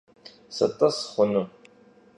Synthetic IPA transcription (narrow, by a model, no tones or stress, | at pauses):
sɐ̰tʼɐsχʷʊnu